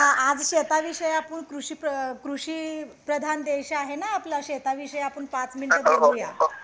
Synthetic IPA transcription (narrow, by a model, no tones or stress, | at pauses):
ɦãad͡zɕet̪aʋiɕəjapəɳkɾuɕipəkɾuɕipɾəd̪ʱand̪ejɕaaɦenaːplaɕet̪aʋiɕəjapəɳpat͡sminʈəd̪oɾuja